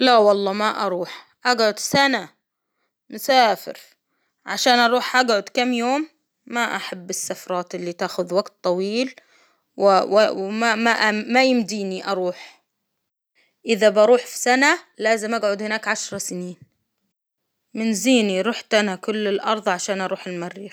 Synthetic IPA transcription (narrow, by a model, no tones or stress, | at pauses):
lawɑlˤːɑːmaʔɑɾˤuːħ | ʔaɡʕʊd̪sana | mʊsaːfɪ̰ɾ | ʕaʃaːnʔɑɾˤuːħʔaɡʕʊd̪kamːjoːmː | aʔaħabːɪsːafɾˤɑːt̪ʔɪlːit̪aːxʊðwaɡt̪ˤːɑwiːl | wɪwamaʔmajɪmd̪iːniʔɑɾˤuːħ | ʔɪðabɑɾˤuːħfi̥sanalaːzɪmʔaɡʕʊd̪hɪnaːkʕaʃɾˤɑsɪniːn | mɪnziːniɾuːħt̪anakʊlːɪlʔɑɾˤðˤʕaʃaːnʔɑɾˤuːħɪlmarːiːx